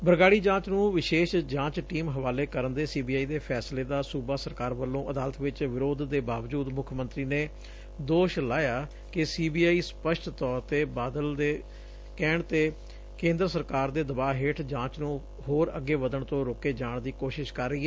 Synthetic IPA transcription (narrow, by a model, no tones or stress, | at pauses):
bəɾɡaːɽiːd͡ʒãːt͡ʃnũːʋɪʃeːʃd͡ʒãːt͡ʃʈiːmɦəʋaːleːkəɾənd̪eːsiːbiːaːiːd̪eːpʰɛːsleːd̪aːsuːbaːsəɾkaːɾʋəlːõːʔəd̪aːlət̪ʋɪt͡ʃʋɪɾoːd̪d̪eːbaːʋd͡ʒuːd̪mʊkʰmə̃nt̪ɾiːneː | d̪oːʃlaːjaː | kɪsiːbiːaːiːspəʃʈt̪ɔːɾt̪eːbaːd̪əld̪eː | kɛːɳt̪eː | kẽːnd̪ɾəsəɾkaːɾd̪eːd̪əbaːɦeːʈʰd͡ʒãːt͡ʃnũː | hoːɾə̰ɡːeːʋəd̪əɳt̪õːɾoːkeːd͡ʒaːɳd̪iːkoːʃɪʃkəɾːəiːɛː